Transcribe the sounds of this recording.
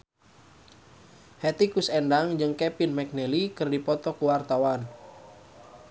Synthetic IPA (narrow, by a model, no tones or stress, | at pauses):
hɛt̪ikusɛndaŋd͡ʒɨŋkɛpinmɛk̚nɛlikɨrdipɔt̪ɔkuwart̪awan